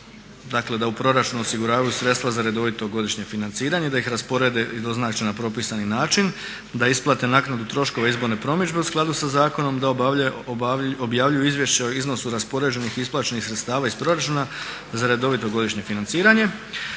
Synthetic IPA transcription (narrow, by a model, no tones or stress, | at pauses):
d̪akle̞d̪aupɾo̞ɾat͡ʃunuosiɡuɾaːʋajusɾe̞t̪st̪ʋazaɾe̞d̪o̞ʋit̪o̞ɡo̞d̪iʃɲe̞finant̪siːɾaɲe̞d̪aixɾaspo̞ɾe̞ːd̪eid̪o̞znaːt͡ʃenapɾo̞pisaninaːt͡ʃin | d̪aisplˠat̪e̞naknad̪ut̪ɾo̞ʃko̞ʋeizbo̞ɾne̞pɾo̞mid͡ʒbe̞usklˠad̪usazaːko̞no̞md̪ao | objaːʋʎujuizʋje̞ʃt͡ɕeoizno̞suɾaspo̞ɾe̞ːd͡ʑe̞nixisplˠaːt͡ʃe̞nixsɾet̪st̪aːʋaːispɾo̞ɾat͡ʃuːna | zaɾe̞d̪o̞ʋit̪o̞ɡo̞d̪iʃɲe̞finant̪siːɾaɲe̞